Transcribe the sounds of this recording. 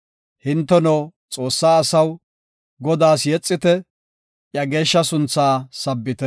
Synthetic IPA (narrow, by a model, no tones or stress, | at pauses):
hɪnt̪ːɛnɔw | t͡sʼo̞ːsːaːsɐw | ɡɔd̪aːsjɛt͡sʼːɪt̪ɛ | ʔjɐɡe̞ːʃːɐsʊnt͡sːaːsɐbːɪt̪ɛ